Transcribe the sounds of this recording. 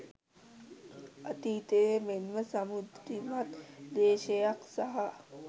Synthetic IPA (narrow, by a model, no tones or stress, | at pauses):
ət̪iːt̪ejemenʋəsəmud̪ɾimat̪d̪eːʃejaksaɦa